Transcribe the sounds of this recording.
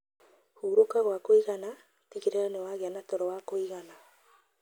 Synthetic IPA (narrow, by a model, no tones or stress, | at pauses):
huːɾokaɣwakoiɣana | tiɣeɾeanewaːɣeanatɔɾɔwakoiɣana